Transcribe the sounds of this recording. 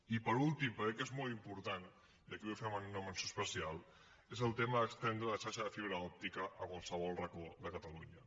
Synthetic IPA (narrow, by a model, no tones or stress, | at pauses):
ipəɾulˠt̪impəɾkɛkezmɔlˠimpuɾt̪an | d̪əkefɛmənnːomənsospəsialˠ | ezəlˠt̪eməðəkst̪ɛnd̪ɾəðəʃaɾʃəðəfiβɾəɔp̚t̪ikəʔəkwalˠsəβ̞ɔlˠrəkoðəkət̪əluɲə